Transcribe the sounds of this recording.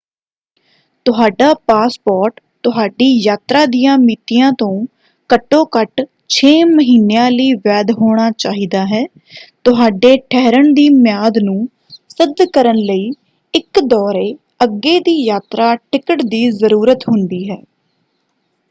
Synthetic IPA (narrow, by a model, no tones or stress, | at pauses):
t̪ʊɦaːɖaːpaːspɔːɾʈ | t̪ʊɦaːɖiːjaːt̪ɾaːd̪ijãːmiːt̪ijãːt̪õː | kəʈːõːkəʈ | t͡ʃʰeːməɦiːnejãːləiːʋɛːd̪ɦoːɽ̃aːt͡ʃaːɦiːd̪aːɦɛː | t̪ʊɦaːɖeːʈʰɛːɾəɳd̪iːmjaːd̪nũː | sɪd̪kəɾənləiː | ɪkd̪ɔːɾeː | əɡːeːd̪iːjaːt̪ɾaːʈʰɪkəʈd̪iːzəɾuːɾət̪ɦʊnd̪iːɦɛː